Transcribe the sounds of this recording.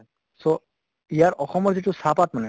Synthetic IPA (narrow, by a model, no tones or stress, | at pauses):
so | ijaɾɔxɔmɔɾzeʈusapaʈ̚manɛ